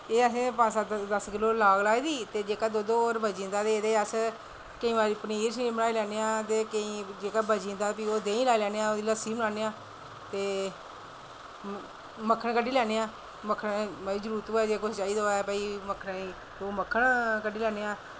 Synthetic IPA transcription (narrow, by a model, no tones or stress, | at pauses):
eːəsẽːpãːsaːd̪əskɪloːlaːɡlaːid̪iːt̪eːd͡ʒeːkaːd̪oːd̪oːoːɾbəd͡ʒĩːnd̪aːd̪eːd̪eːəs | kəĩːʋaːɾiːpəniːɾsimənaːiːlɛːneːãːt̪eːkəĩːd͡ʒeːkaːbəd͡ʒĩːnd̪aːpioːd̪eːĩːlaːilɛːneːãːoːd̪iːləsiːmənaːneːãː | t̪eː | məkʰːəɳkəɖiːlɛːneːãː | məkʰːənəiːd͡ʒəɾuːɾt̪oːɛːd͡ʒeːkot͡ʃaːiːd̪oːɛːpəiːməkʰənːi | d̪oːməkʰːəɳkəɖiːlɛːneːãː